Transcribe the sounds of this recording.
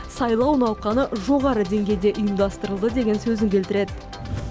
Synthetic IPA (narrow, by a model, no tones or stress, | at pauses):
sɑjlˠɑwnɑlˠqɑnəʒo̞ʁɑɾəd̪e̞ŋɡʲe̞jd̪e̞ʔʊjəmd̪ɑst̪əɾəlˠd̪əd̪e̞ɡʲe̞nsɵzɪŋkʲʰe̞lt̪ɪɾe̞d̪